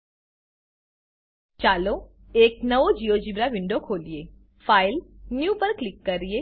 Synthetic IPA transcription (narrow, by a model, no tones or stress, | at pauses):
t͡ʃalo | eknəʋod͡ʒijod͡ʒibɾaʋɪɳɖokʰolije | failnjupəɾklɪkːəɾie